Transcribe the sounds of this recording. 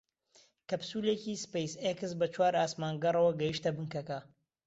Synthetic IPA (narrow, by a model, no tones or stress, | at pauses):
kɐpsulecispejsekɨsbɐt͡ʃʰwaːɾaːsmaːnɡɐrˤɐwɐɡɐjiʃt̪ɐbɨŋkɐkɐ